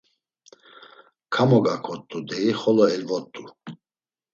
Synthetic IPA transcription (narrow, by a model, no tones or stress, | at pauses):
kʰamɔɡakʰɔt̪ʼːud̪ɛiχɔlɔɛlvɔt̪ʼːu